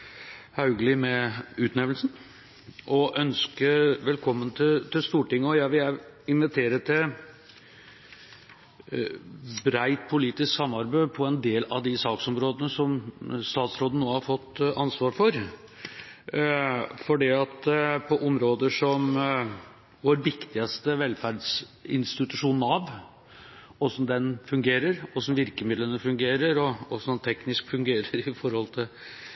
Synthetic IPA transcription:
hɑʉɡlɪmɛʉːt̪nɛʋlsn | ʔɔʔœnskəʋɛlkʰɔmːənt̪ʰɪt̪ɪlst̪uːʈɪŋːəɔjæɪʋɪlæ | ɪnʋɪt̪ʰeːɾət̪ʰɪ | bɾæɪt̪̚pʰʊliːt̪ɪsksɑmːɑɾbæɪpʰɔɛnd̪eːlɑd̪ɪsɑːksɔmɾoːd̪ənəsɔmst̪ɑːt̪sɾoːd̪n̩noːhɑɾfɔt̪ːɑnsʋɑːɾfɔɾ | fɔɖiːɑt̪pʰɔʔɔmɾoːd̪əʂɔm | ʋoɾʋɪkt̪ɪɑst̪əʋɛlfæɾɖsɪnst̪ɪt̪ʉʂuːnn̩ɑʋ | ɔsɔmd̪ɛnfʉŋɡeːɾəɾɔsɔmʋɪɾkəmɪd̪lənəfʉŋɡeːɾəɾɔɔsɔd̪ɛnt̪ʰɛknɪskfʉŋɡeːɾəɾɪfɔɾhɔlt̪ʰɪl

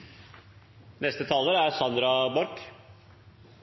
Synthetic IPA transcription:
nɛst̪ət̪ʰɑːləɾæɾsɑnd̪ɾɑbɔɾk

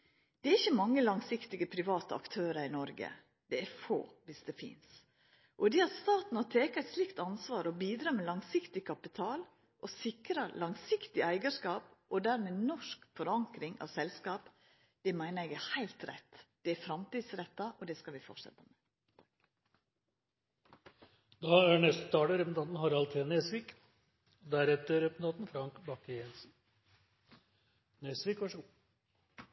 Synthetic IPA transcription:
d̪̥ɛæɾɪçːəmɑŋːəlɑŋsɪkt̪ɪɡəpʰɾɪʋɑːt̪əɑ̰kt̪ʰøːɾəɾɪnɔɾɡə̰ | d̪̥ɛæɾfo̰ːʋɪsd̪ɛfɪ̰ns | ʔɔd̪ɛɑɾst̪ɑːt̪n̩ɔt̪ʰeːkɑɛɪt̪slɪkt̪ɑnsʋɑːɾɔbiːd̪ɾɑːmɛlɑŋsɪkt̪ɪkʰɑpɪt̪ʰɑːl | ʔɔsɪkɾɑlɑŋsɪkt̪ɪæɪɡɑʂkɑːpʔɔd̪æɾmɛːnɔʂkfɔɾɑŋkɾɪŋɑ̰ʋsɛlskɑːp | d̪̥ɛmæɪnəɛːɡæhæɪlt̪ɾɛ̰t̪ːd̪̥ɛæfɾɑmt̪iːd̪sɾɛt̪ːɑʔɔd̪ɛskɑʋɪfɔ̰ʂɛ̰t̪ːəmɛː | d̪ɑːæːɳɛst̪t̪ʰɑːʈəɾɛpnt̪ɑnt̪n̩hɑɾɑlt̪ʰenesʋik | d̪æɾɛt̪əɾɛpnt̪ʰɑːt̪n̩fɾɑŋkbɑkːəjɛnsn̩ | nɛsʋikʋɑʂ

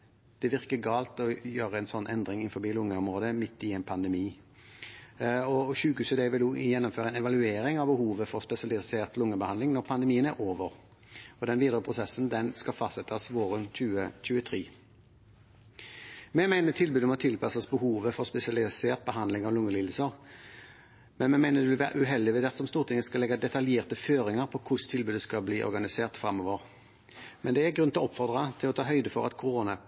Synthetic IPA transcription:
d̪̥ɛʋɪʁkəɡɑːlt̪ɔjøːʁəɛnsɔnːʔɛnd̪ɾɪŋɪnfɔɾbiːlʊŋːəɔmʁoːd̪əmɪt̪ːɪɛːnpʰɑnd̪əmiː | ɔɕʉːkʉːsəd̪ɛʋɪljɛnːɔmføːʁəɛnɛʋɑlʉeːɾɪŋɑʋbəhuːʋəfɔʁspɛsɪɑlɪseːʁt̪lʊŋːəbəhɑnd̪ɪŋnɔʁpʰɑnd̪ɛmiːənæʁʔoːʋəʁ | ɔd̪ɛnʋiːd̪əʁəpʰʁʊsɛsnd̪ɛnskɑfɑst̪sɛt̪ɑsʋoːʁənc͡çʉːəc͡çʉːət̪ʰʁiː | mɛmæɪnət̪ʰɪlbʉːd̪əmɔt̪ʰɪlpʰɑsɑsbəɦuːʋəfɔʁspɛsɪɑlɪseːʁt̪̚bəɦɑnd̪lɪŋɑʋlʊŋːəliːd̪̩səʁ | mɛnmɛmæɪnəʁd̪ɛʋɪlʋæːʁ̰ʔʉɦɛld̪ɪʋɛd̪ɛt̪sɔmst̪uːʁt̪ʰɪŋːəskɑlɛɡːɑd̪ɛt̪ɑljeːʁt̪əføːʁɪŋəʁpʰɔkʰʊʂt̪ʰɪlbʉːd̪əskɑbliːʔɔ̰ɾɡɑnɪseːʁt̪fɾɑmːoːʋəʁ | mɛnd̪ɛæɡʁʉnɪlɔpːfɔʁd̪ʁɑt̪ʰɪlɔt̪ʰɑːɦœʏd̪əfɔɾɑt̪kʰʊɾoːnɑ

